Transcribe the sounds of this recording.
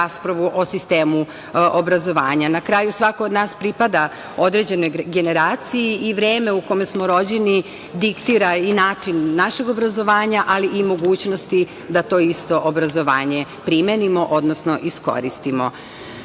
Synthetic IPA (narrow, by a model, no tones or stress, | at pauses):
aspɾaʋuʔo̞sist̪eːmu | obɾazo̞ʋaːɲanakɾaːjusʋakoːd̪naːspɾipad̪a | o̞d̪ɾed͡ʑe̞no̞jɡe̞ne̞ɾaːt̪sijiiʋɾeːme̞uko̞mesmoɾo̞d͡ʑeni | d̪ikt̪iːɾainaːt͡ʂinːaʃeɡo̞bɾazo̞ʋaːɲaʔaliʔimo̞ɡuːt͡ɕno̞st̪i | d̪at̪o̞ːist̪o̞ʔobɾazo̞ʋaːɲe̞pɾimenimo̞ʔo̞d̪nosno̞ʔisko̞̰ɾist̪imo